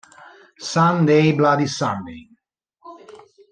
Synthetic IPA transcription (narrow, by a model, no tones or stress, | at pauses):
sãnd̪ejblad̪isãnd̪ḛj